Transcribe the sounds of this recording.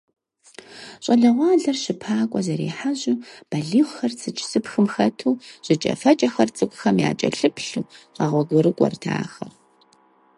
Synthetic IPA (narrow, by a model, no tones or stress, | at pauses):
ɕʼɐɮɐʁʷɑːɮɐrɕɪpʰaːkʷʼɔzɐɾḭːħaʑʊb̥ɐɮiːχʷxɐrt͡sʰʼɨt͡ʃʼsɨpxɨmxɐtʰuːɕʼɪt͡ʃʼɐ̰fɐt͡ʃʼɐxɐrt͡sʼɨkʷʼʊxɐmja̰ːt͡ʃʼɐ̰ɬɨpʰɬuːqɐʁʷɔɡʷʊɾɨkʷʼɔ̰rtʰa̰ːxɐr